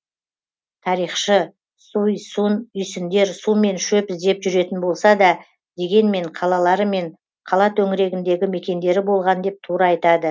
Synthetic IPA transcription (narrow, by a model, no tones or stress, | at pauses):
t̪ʰɑɾijχʃə | sujsunʏjsɪnd̪e̞ɾsume̞nʃɵpɪzd̪e̞pʒʏɾe̞t̪ɪnbo̞lˠsɑd̪ɑ | d̪e̞ɡʲe̞nme̞ɴqʰɑlˠɑlˠɑɾəme̞ɴ | qʰɑlˠɑt̪ʰɵŋɪɾe̞ɡʲɪnd̪e̞ɡʲɪme̞kʲe̞nd̪e̞ɾɪbo̞lˠʁɑnd̪e̞p̚t̪ʰuɾɑɑjt̪ɑd̪ə